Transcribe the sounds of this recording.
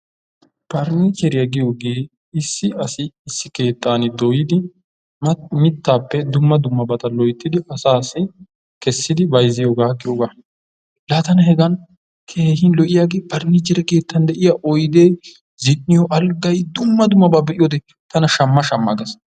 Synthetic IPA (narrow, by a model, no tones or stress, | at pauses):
pɐɾniːt͡ʃɛɾɪjɐɡɪjoːɡeː | ɪsːɪɐsɪːsːɪke̞ːt̪ːaːnɪd̪ɔjɪd̪ɪ | mɪt̪ːaːpːɛd̪ʊmːɐd̪ʊmːɐbɐt̪ɐlɔjt̪ːɪd̪ɪʔɐsaːsɪ | kɛsːɪd̪ɪbɐjzɪjoɡaːɡɪjoɡaː | laːt̪ɐnɐhɛɡɐn | kʰeːhɪnlɔʔɪjaɡeːpɐɾnit͡ʃɛɾɛke̞ːt̪ːɐnd̪ɛʔɪjaːʔɔjd̪eː | zɪnːɪjɔʔɐlɡɐjd̪ʊmːɐd̪ʊmːɐbaːbɛʔɪjoːd̪ɛ | t̪ɐnɐʃɐmːɐʃɐmːɐ̰ɡɐs